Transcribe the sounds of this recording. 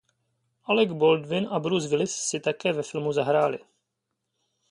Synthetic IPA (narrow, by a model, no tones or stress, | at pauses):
ʔalɛɡbold̪vɪnʔabɾuzvɪlɪsːɪt̪akɛːvɛfɪlmuzaɦɾaːlɪ̰